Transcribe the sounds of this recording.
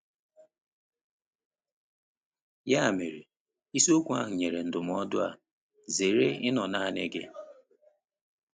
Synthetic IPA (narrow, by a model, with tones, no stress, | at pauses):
ja˦˨mi˨ɾi˨ | i˦so˦kʷu˦a˦ɦʊ˨ɲe˨ɾe˨n̩˨dʊ˨m˨˦ɔ˦dʊ˦a˨ | ze˨ɾe˦ɪ˦nɔ˨na˦ne˦ɡe˦